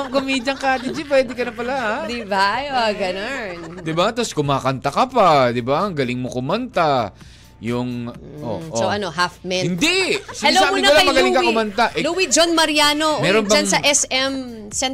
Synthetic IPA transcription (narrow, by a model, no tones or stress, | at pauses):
ɐŋkomiːd͡ʒɐŋkaːt̪ɪd͡ʒɪp̬wɛːd̪ɛkɐnɐpɐlaʔad̪ibajoɡɐnond̪ɪbat̪ɐskʊmaːkɐnt̪ɐkɐpad̪ɪbaɐŋɡɐlɪŋmokʊmɐnt̪a | jʊŋʔo̰ʔsoɐnoɦafmɛhɪnd̪ɛsɐlosaːmmɪnɐɐlapɐɡɐllɪkɐkʊmɐnt̪aʔɛluwid͡ʒonmɐɾjaːnomɛːɾonpɐɐnsɐʔɛsɛm | sɛn